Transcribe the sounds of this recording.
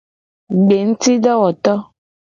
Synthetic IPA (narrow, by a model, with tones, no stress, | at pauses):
ɡ͡be˨ŋ̩˦ti˦ɖɔ˦wɔ˨t̪ɔ˦